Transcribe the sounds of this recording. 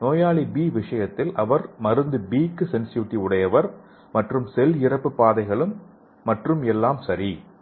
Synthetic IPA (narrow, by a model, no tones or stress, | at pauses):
noːjaːɭibiːʋɪʂɐjɐt̪ːɪlʔɐʋɐɾmɐɾɯnd̪ɯbiːkːɯsɛnsjuːʈːiʊɽɐjɐʋɐɾ | mɐʈrɯmsɛlɪɾɐpːɯpaːðɐɪɣɐɭɯmː | ɐʈrɯmɛlːaːmsɐɾi